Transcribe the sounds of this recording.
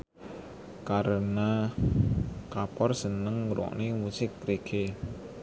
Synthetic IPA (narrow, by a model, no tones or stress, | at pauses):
kaɾəna | kapɔrsənəŋɾɔ̰ʔnimusɪk̚tɾeɡe